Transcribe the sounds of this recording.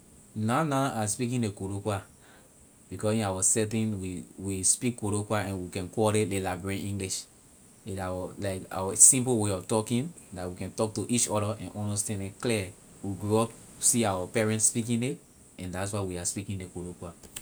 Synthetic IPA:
nanaaspikĩndekoɾokwa | b̥ikɔsĩnawəsɛt̬ĩnwiwispikːoɾokwaɛ̃nwikɛ̃nkɔɾelelabɹẽĩŋɡliʃ | iawɔlaɪka̰wəsĩmpl̩weɔftɔkĩn | datwikɛ̃ntɔk̚tuʔit͡ʃɔɾəʔɛ̃nʔɔ̃nostɛ̃ndɛ̃klɛ | wiɡɹɔ | siawapɛɹɛ̃ntspikĩne | ɛ̃ndats̬waɪwiaspikĩndekoɾokwa

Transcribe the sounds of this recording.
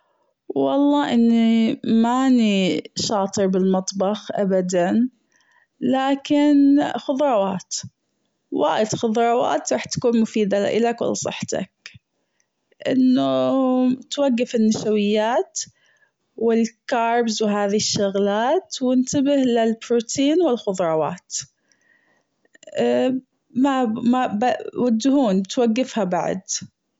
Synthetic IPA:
wɑ̰lˤːɑːʔɪnːimaniʃɑːt̪ˤɨɾbɪlmɑt̪ˤbɑxʔabad̪an | laːkɪnaxʊðɾˤɑwaːt̪ | wa̰ːjɪd̪xʊðɾˤɑwa̰ːt̪ɾˤɑːħt̪ḁkuːnmʊfiːd̪ala̰ʔɪlakwɪ̰lːsˤɨ̰ħːt̪a̰k̚ | ʔɪnːu | t̪waɡːafɪnːaʃawɪjːaːt̪ | wɪlkɑːɾˤbzwɪɦaːðiʃːʊɣlaːt̪wɪnt̪abɪhlɪlbɾuːt̪ʰiːnwɪlxʊðˤɾˤɑwɑ̰ːt̪ | mamabawad͡ʒːɪhuːnt̪waɡːɪfhabaʕ̰d̪

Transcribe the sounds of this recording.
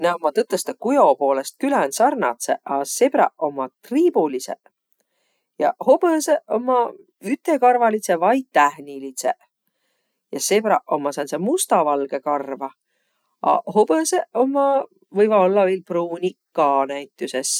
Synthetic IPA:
næomːɑt̪ɤt̪ːˑest̪ɑkujo̞po̞ːlest̪̚kylænsɑrnɑ̰t̪sḛʔɑseb̥ɾɑ̰ʔo̞mːɑt̪riːb̥ulisḛ | jɑ̰ho̞b̥eseʔomːɑ | yt̪ːˑe̞kɑrvɑlisevɑjt̪ːæhnilit̪sḛ | jɑsebɾɑ̰ʔomːɑsɑnsemust̪ɑvɑlɡ̥e̞kɑrvɑ | ɑ̰hob̥eseo̞mːɑ | vɤjvɑo̞lːɑviːlpruːnʲikːɑnæjt̪ːˑuses

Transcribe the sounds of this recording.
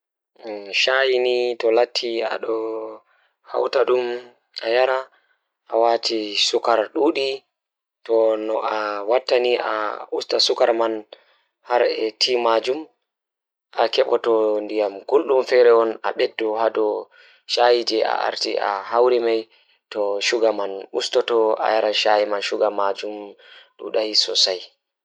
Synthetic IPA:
ʃajinitɔlatʰːia̰ɗɔ | ha̰wtaɗum | ʔajaɾa | ʔawatʰisukaɾɗuːɗi | tɔnɔʔawatːaniʔa̰ustasukaɾman | haɾɛtʰimad͡ʒum | ʔakɛɓɔtɔndijamɡulɗumfɛɾɛɔna̰ɓɛdːɔhadɔ | ʃajid͡ʒɛa̰ʔa̰ɾtiʔa̰hawɾimaj | tɔʃuɡamanustɔtɔa̰jaɾaʃajimanʃuɡamad͡ʒum | ɗṵɗahisɔ̰saj

